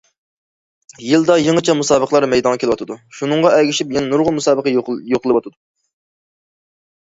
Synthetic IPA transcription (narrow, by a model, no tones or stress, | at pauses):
jild̪ɑjəŋət͡ʃʰɛmusɑːbəqlˠɑɾmɛjd̪ɑŋʁɑkʲelɨwɑt̪ʰɨd̪uʃunɨŋʁɑɛɡʲiʃipjɛnɛnuɾʁʊlˠmusɑːbəqəjoqʰlˠɨwɑt̪ʰɨd̪u